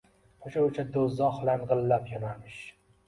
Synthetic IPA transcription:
oʃaʊt͡ʃʰad̪ozɒhlanʁɨlːapjɒnamɪʃ

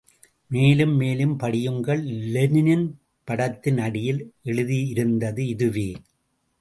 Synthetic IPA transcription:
meːlɯmːeːlɯmpɐɽɪjɯŋɡɐɭlɛnɪnɪn | pɐɽɐt̪ːɪnɐɽɪjɪlʔɛɻɯðiɪɾɯnd̪ɐðɯɪðɯʋeː

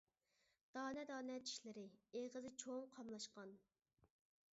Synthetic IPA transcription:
d̪̥ɑːnɛd̪ɑːnɛt͡ʃʰi̥ʃlɪɾɪeʁəzɪt͡ʃʰoŋqʰɑmlˠɑʃqɑn

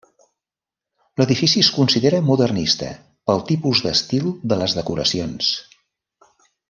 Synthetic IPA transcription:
ləðifisiəskunsiðeɾəmuðərnist̪ə̰ | pəlˠt̪ipuzðəst̪ilˠd̪ələzðəkuɾə̰sions

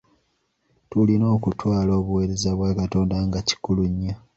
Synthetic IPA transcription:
tulino̞ːkutʰwaːlo̞ːβuwe̞ːɾe̞zaβwaːkato̞ːndaŋɡaci̥kuluɲːa

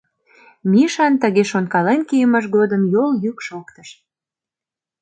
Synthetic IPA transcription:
miʃɑnt̪ə̆ɣeʃonkɑlenkijəmɑʃ̬ɡod̪əmjoljykʃokt̪əʃ

